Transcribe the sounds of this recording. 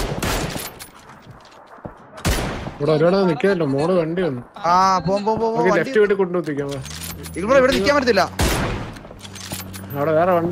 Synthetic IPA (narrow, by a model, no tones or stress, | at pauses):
ɐʋiɽeoɾuaɳɐnikʲːaːɐlːoːmoːɽɨʋɐɳɖiʋɐnːuaːpoːmpoːpokːiɐleftːɨʋiʈːikoɳɖɨut̪̬ːikʲːaːmaiɣpːrɐiʋiɽet̪ikːaːmpɐɾ̬ɐt̪ːilːɐ | ɐʋiɽeʋeːreʋɐɳɖ